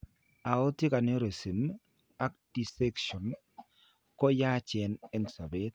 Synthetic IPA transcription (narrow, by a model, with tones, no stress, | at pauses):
a˨o˦ti˦ka˨neo˦ɾe˨si˨m | a˦k̚di˨se˦kʃɔ˨n | kɔ˦ja˦t͡ʃɛ˨nɛ˦nsa˨be˦t̪̚